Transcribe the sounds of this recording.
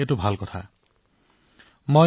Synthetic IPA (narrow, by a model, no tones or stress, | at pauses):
etubʱalkɔt̪ʰa̰ | mo